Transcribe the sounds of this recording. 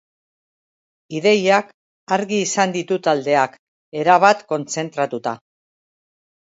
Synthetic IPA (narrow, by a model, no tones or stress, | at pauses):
iðe̞jak | aɾɣiːsand̪it̪ut̪ald̪e̞ak | e̞ɾaβ̞at̪ko̞nt͡se̞nt̪ɾat̪ut̪a